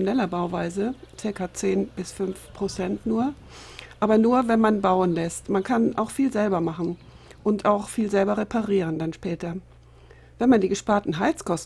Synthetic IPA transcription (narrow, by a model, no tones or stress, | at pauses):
nɛlɐbaʊvaɪzət͡sɪɐkat͡seːnb̥ɪsfʏnfpʁ̥ot͡sɛntnuːɐ | ʔaːbɐnuːɐvɛnmanbaʊənlɛstmankʰanʔa̰ʊxfiːlzɛlbɐmaχn̩ | ʔʊntaʊxfiːlzɛlbɐʁepʰaʁiːʁ̞əndanʃpɛːtɐ | vɛnmandiːɡəʃpaːɐtn̩ɦaɪt͡skʰɔst